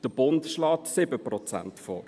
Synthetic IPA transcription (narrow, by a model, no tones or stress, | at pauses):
d̥əb̥ʊntʃlɑːtsɪbəprɔt͡sæ̰ntfɔ̰ːɾ